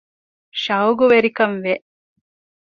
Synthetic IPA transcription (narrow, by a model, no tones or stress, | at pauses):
ʃɐwɡuʋeɾikɐnʋeʔ